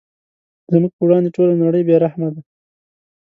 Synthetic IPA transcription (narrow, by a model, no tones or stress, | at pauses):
zəmuɡ̚pəwɽɑnd̪eʈolanaɽəjbeɾahmad̪a